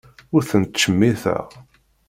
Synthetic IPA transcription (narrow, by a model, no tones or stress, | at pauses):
ʊɾθənt̪t͡ʃːəmːiθæ̰ʁ